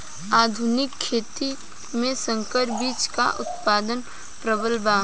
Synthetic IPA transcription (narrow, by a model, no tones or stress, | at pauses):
aːd̪ʱʊnɪkʰːeːt̪i | mẽsə̃ŋkəɾbiːt͡ʃka̰ʔʊt̪paːd̪ən | pɾəbəlbaː